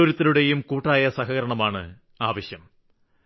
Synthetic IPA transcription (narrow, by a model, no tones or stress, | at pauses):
oɾut̪ːiluɽe̞jumkuːʈːaːjɐsɐɦɐɣɐɾɐɳɐmaːɳɨ̰ | aːʋɐɕjɐm